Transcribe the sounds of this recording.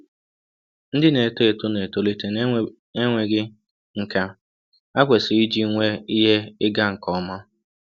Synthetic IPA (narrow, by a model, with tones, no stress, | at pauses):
n̩˦dɪ˦ne˨to˦e˨to˦ne˨to˦li˦te˨n | e˦ŋʷe˨ɡɪ˦ | ŋ̩˨ka˦ | a˦kʷe˨sɪ˨i˦d͡ʒi˦ŋʷe˦i˦ɦe˦ɪ˦ɡa˦ŋ̩˨kɔ˦ma˦